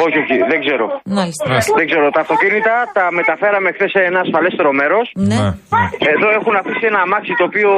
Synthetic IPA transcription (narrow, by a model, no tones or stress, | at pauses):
o̞çioçiðeɡze̞ɾo̞̰mɐlisðeŋɡze̞ɾo̞t̪ɐːft̪o̞cinit̪ɐt̪ɐme̞t̪ɐfe̞ɾɐmexθe̞seenɐːsfɐle̞st̪e̞ɾo̞me̞ɾo̞sn | eðo̞e̞xunɐfisie̞nɐːmɐksit̪o̞ːpio